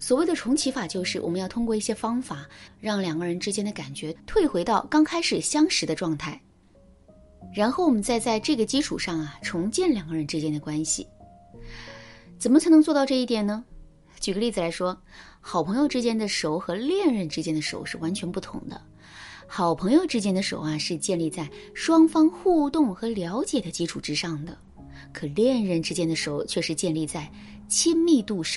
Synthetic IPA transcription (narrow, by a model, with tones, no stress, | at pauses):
swɔ˨˩we˥˩d̪ə˩ʈ͡ʂʰʊ˧˥ŋt͡ɕʰi˧˥fa˨˩t͡ɕjo˥˧ʊʂɻ̩˥˩wɔ̰˨˩mə˧˦jɑ˥˩ʊt̪ʰʊ˥ŋkwɔ˥˧i˥˩ɕjɛ˥fɑ˥ŋfa˨˩˦ɻɑ˥˩ŋljɑ˨˩ŋɡə˦ɻə˧˥nʈ͡ʂɻ̩˥t͡ɕjɛ˥nd̪ə˨ka˨˩nt͡ɕɥɛ˧˥t̪ʰwe˥˩ɪxwe˧˥ɪt̪ɑ˥˩ʊkɑ˥ŋkʰa˥ɪʂɻ̩˨˩ɕjɑ˥ŋʂɻ̩˧˥d̪ə˧ʈ͡ʂwɑ˥˧ŋt̪ʰa˥˩ɪ | ɻa˧˥nxo˥˩ʊwɔ˨˩mə˦nt͡sa˥˧ɪt͡sa˥˧ɪʈ͡ʂɤ˥˩ɡə˩t͡ɕi˥ʈ͡ʂʰu˨˩ʂɑ˥˩ŋɐ˩ʈ͡ʂʰʊ˧˥ŋt͡ɕjɛ˥˩nljɑ˨˩ŋɡə˦ɻə˧˥nʈ͡ʂɻ̩˥t͡ɕjɛ˥nd̪ə˨kwa˥nɕḭ˨˩ | t͡sə˨˩nmə˦t͡sʰa˧˥ɪnɤ˧˥ŋt͡swɔ˥˧t̪ɑ˥˧ʊʈ͡ʂɤ˥˧i˥˩t̪jɛ˨˩nə˩ | t͡ɕy˨˩ɡə˦li˥˩d͡zɹ̩˩la˧˥ɪʂwɔ˥xɑ˨˩ʊpʰɤ˧˥ŋjo˧ʈ͡ʂɻ̩˥t͡ɕjɛ˥nd̪ə˨ʂo˧˥ʊxɤ˧˥ljɛ˥˧nɻə˥˩nʈ͡ʂɻ̩˥t͡ɕjɛ˥nd̪ə˨˧ʂo̰˨˧˩ʊʂɻ̩˥˩wa˧˥nt͡ɕʰɥɛ˧˥npu˥˩t̪ʰʊ̰˧˥ŋd̪ə̰˧ | xɑ˨˩ʊpʰɤ˧˥ŋjo˧ʊʈ͡ʂɻ̩˥t͡ɕjɛ˥nd̪ə˧ʂo̰˨˩˦ʊa˨˩ʂɻ̩˥˧t͡ɕjɛ˥˧nli˥˧t͡sa˥˩ɪʂwɑ˥ŋfɑ˥ŋxu˥˧t̪ʊ˥˩ŋxɤ˧˥ljɑ˧˥ʊt͡ɕjɛ˨˩d̪ə˦t͡ɕi˥ʈ͡ʂʰu˨˩ʈ͡ʂɻ̩˥ʂɑ˥˩ŋd̪ə˩ | kʰɤ˨˩ljɛ˥˧nɻə˥˩nʈ͡ʂɻ̩˥t͡ɕjɛ˥nd̪ə˨ʂo˧˩˥ʊt͡ɕʰɥɛ˥˩ʂɻ̩˥˧t͡ɕjɛ˥˧nli˥˧t͡sa˥˩ɪ | t͡ɕʰi˥nmi˥˧t̪u˥˧˩ʂ